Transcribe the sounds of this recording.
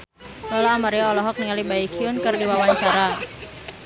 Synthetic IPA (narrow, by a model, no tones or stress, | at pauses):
lɔlaːmaɾiaːlɔɦɔk̚niŋalibaikʰiʊnkɨrdiwawaɲt͡ʃaɾa